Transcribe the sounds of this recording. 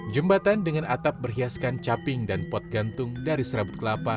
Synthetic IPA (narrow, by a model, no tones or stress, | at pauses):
d͡ʒəmbat̪andəŋanʔat̪ap̚bərɦiaskant͡ʃapɪŋdanpɔt̪̚ɡant̪ʊŋdaɾisəɾabʊt̪̚kəlapa